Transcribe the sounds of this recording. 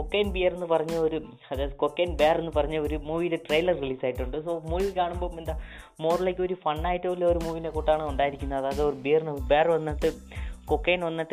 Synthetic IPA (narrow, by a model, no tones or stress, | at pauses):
kokːejnbijɐrenːɨpɐrɐɲːuoɾu | ɐðajɐðɨkokːeːnbeːre̞nːɨpɐrɐɲːɨoɾumuːʋiːleʈrejlɐrriliːsaːjiʈːuɳɖɨsoːmuːʋilkaːɳumbo̞ːend̪a | mo̞ːrlɐjkːo̞ɾufɐɳːaːjiʈːɨolːeoɾumuːʋinekoʈːaːɳɨuɳɖaːjiɾikʲːunːɐɐðaɐðeoɾubijɐrnɐbeːrʋɐnːɐʈːɨ | kokːejnʋɐnːɐʈːɨ